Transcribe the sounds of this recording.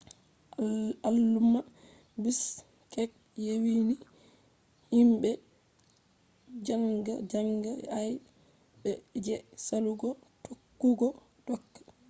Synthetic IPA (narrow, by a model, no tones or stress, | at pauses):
alːumːa | bis | kɛk̚ | jewini | himɓɛ | d͡ʒaŋɡa̰d͡ʒaŋɡaaj | bɛd͡ʒɛsaluɡɔtʰokːuɡɔ | d̥ɔkːḁ